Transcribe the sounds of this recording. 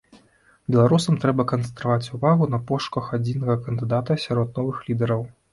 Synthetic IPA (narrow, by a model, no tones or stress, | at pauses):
bʲɛlˠaɾusɐmt̪ɾɛbɐkɐnssɛnt̪ɾavat͡sʲuvaɣunɐpɔʂkɐxad͡zʲinɐɣɐkɐnd̪ɨd̪at̪ɐsʲaɾɔt̪̚nɔvɨxlʲid̪ɛɾɐw